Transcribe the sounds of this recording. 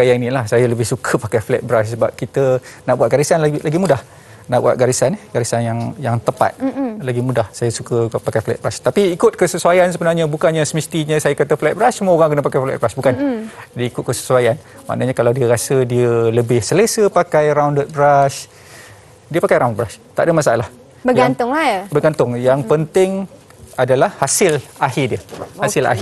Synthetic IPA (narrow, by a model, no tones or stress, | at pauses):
kajainilahsajaləbɪhsukʰəpakajflɛ̰t̪̚bəɾassəbap̚kit̪ənaʔbuat̪̚ɡaɾisanlalaɡimudah | naʔbua̰t̪̚ɡaɾisaniɡaɾisanjaŋjaŋt̪əpa̰t̪̚laɡimũdahsajasukəpakajflɛ̰t̚bəɾast̪apiːkʊt̪̚kəsəsuajansəbənarɲabukaɲasəmist̪iɲə̃sajakat̪aflɛt̪̚bəɾasːəmuəoɾaŋkənapakajflɛ̰t̪̚bɾasbukand͡ʒadiəikʊt̪̚kəsə̥suajan | ma̰ʔnaɲakalawdiəɾasədiaələbɪhsəlesəpakajɾawndət̪̚bɾas | diəpakajɾawnbrast̪a̰ʔdəmasaʔalah | bəjɡaŋnt̪ʊŋbərɡant̪ʊŋjaŋpənt̪ɪŋ | adalahːasɪlaɦidiəhasɪla̰ɦ